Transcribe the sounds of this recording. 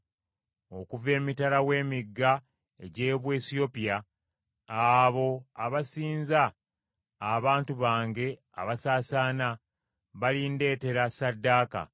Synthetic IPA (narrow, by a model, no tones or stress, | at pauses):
o̞kuve̞ːmitalawe̞ːmiɡːa | e̞ɟe̞ːβwe̞ːsio̞pija | aβo̞aβasiːnzaː | βaːntuβaːŋɡe̞ | a̰βasaːsaːna | βalinde̞ːte̞ɾasadːaːka̰